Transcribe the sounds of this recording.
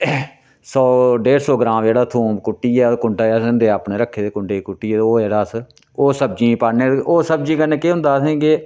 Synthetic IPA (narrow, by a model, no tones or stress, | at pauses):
sɔːɖeːɾsɔːɡɾãːmd͡ʒeːɽaːt̪ʰũːbkʊʈːiːɛːkʊɳɖaːɛːsɪnd̪eːaːpɳeːɾəkʰːeːd̪eːkʊɳɖeːikʊʈːiːɛːoːd͡ʒeːɽaːs | oːsəb̚d͡ʒiːpaneːoːsəbd͡ʒĩːkənẽːkeːɦʊ̃nd̪aːsĩːɡeː